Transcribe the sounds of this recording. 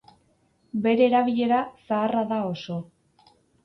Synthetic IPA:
be̞ɾe̞ːɾaβ̞iʎe̞ɾasaːraðao̞so̞

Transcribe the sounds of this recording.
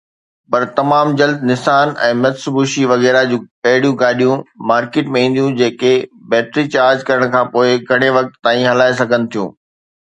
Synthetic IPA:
pɐɾt̪ɐmaːmd͡ʑɐld̪nɪsaːnɛ̰̃ːmɐt̪sbuʃiʋɐɣɛːɾad͡ʑũːkɐɦɪɽijũɡaːɗijũmaːɾkeːʈmẽɦĩːn̆d̪jũd͡ʑeːkebɛːt̪ɾit͡ɕaːɾd͡ʑkɐɾəɽ̃kʰãːpoːɪɡʱɐɽ̃eʋɐk̚t̪ːaːĩɦɐlaːes̬ɐɡʱənɪ̆t̪ʰijũː

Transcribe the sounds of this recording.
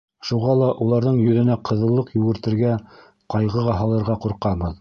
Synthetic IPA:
ʃuʁɑlˠɑʔulˠɑɾðɤɴjɵ̆ðɘ̆næqʰɤ̆ðɤ̆lˠːɤqjʉɡɘ̆ɾt̪ɘ̆ɾɡæ | qɑjʁɤʁɑɦɑlˠɤ̆ɾʁɑquɾqɑmɤð

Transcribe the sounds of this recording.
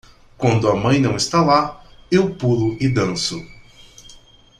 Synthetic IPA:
kwɐ̃nd̪ʊɐmɐ̃j̃nɐ̃w̃ɪst̪alaewpulʊɪd̪ɐ̃sʊ

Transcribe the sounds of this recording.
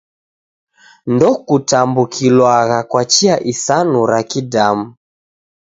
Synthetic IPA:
ndɔkutambukʰilwaɣakwat͡ʃiaʔisanuɾakidamu

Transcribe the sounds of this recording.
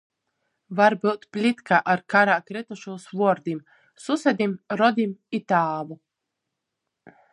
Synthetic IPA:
vaɾbɨwt̪plʲit̪kaʔaɾkaɾaːkɾɛt̪uʃuːsvuɔɾd̪im | susɛd̪ʲimɾɔd̪ʲimit̪aːvu

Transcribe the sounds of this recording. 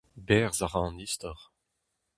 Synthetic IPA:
bɛːʁzaʁɑ̃nist̪ɔʁ

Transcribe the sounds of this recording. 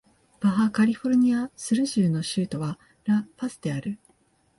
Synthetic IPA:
b̥aɦakaɾʲiɸo̞ɾɯ̟ɲ̟iasɨɾɯ̟ʑɨːno̞ɕɨːt̪o̞βa | ɾapasɨd̪e̞aɾɯ̟

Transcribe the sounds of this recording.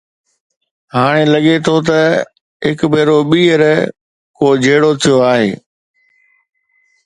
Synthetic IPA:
ɦaːɽ̃elɐɠet̪ʰot̪ɐ | ɦɪkbʱeːɾoɓiːəɾ | koːd͡ʑʱeːɽot̪ʰijoaːɦeː

